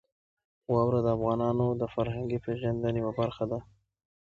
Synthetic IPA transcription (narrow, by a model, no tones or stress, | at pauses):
wɑwɾad̪əafɣɑnɑnod̪əfaɾɦaŋɡipeʒand̪anjawabaɾxad̪a